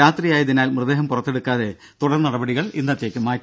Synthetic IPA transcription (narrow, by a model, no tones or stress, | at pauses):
aːt̪rijaːjɐðinaːlmrɨd̪eɦɐmpurɐt̪ːeɽukːaːðe̞ | t̪uɽɐrnɐɽɐbɐɽiɣɐɭind̪ɐt̪ːjekʲːɨmaː